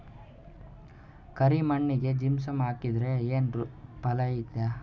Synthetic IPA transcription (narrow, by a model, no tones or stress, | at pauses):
kɐɾimɐɳːiɡe̞d͡ʒimsɐmaːkid̪ɾe̞eːnpɐlɐjit̪jaː